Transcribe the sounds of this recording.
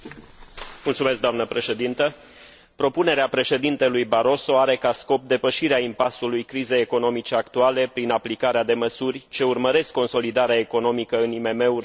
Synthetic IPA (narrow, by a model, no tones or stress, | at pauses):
mult̪sume̞s̬kd̪anəpɾe̞ʃe̞d̪int̪ə | pɾo̞pune̞ɾeapɾe̞ʃe̞d̪int̪elujbaɾo̞so̞aɾe̞kasko̞p̚d̪e̞pəʃiɾeaimpasulujkɾize̞jeko̞no̞mit͡ʃe̞akt̪uale̞pɾinaplikaɾead̪e̞məsurʲt͡ʃe̞urməɾe̞skːo̞nso̞lid̪aɾeae̞ko̞no̞mikəɨnime̞me̞urʲ